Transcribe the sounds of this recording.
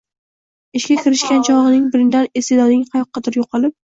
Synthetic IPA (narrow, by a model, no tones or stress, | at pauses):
ɪʃkʲakʲʰɪɾɪʃkʲant͡ʃʰɒʁɨnɪŋbɪɾɪnd̪anesed̪ɒd̪ɪŋhɑjɒqʰːɑd̪ɪɾjoqʰɑlˠɪp̚